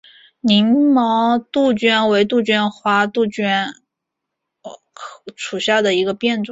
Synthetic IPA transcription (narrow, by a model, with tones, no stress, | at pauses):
ni˧˥ŋmɑ˧˥t̪u˥˩t͡ɕɥɛ˥nwe˧˥ɪt̪̬u˥˩t͡ɕɥɛ˥nxwa˥t̪u˥˩t͡ɕɥɛ˥n˧ | kʰʂʰu˨˩ɕja˥˩d̪ə˩i˧˥ɡə˧pjɛ˥˧nʈ͡ʂwʊ˨˩˦